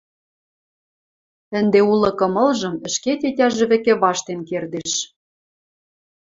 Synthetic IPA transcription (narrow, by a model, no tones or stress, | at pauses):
ɘ̆nd̪eulɤ̆kɤ̆mɤ̆lʒɤ̆mɘ̆ʃket̪ʲetʲɑʒɘ̆βɘ̆kĕβɑʃt̪enkerd̪eʃ